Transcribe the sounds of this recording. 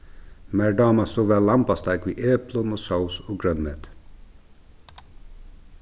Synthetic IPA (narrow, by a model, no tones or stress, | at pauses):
mæːɹɖɑːmɑsoːʋæːlɑmpɑst̪ɑɪkʋiːʔeːplənoːsɑʊsoːɡɹœnmeːt̪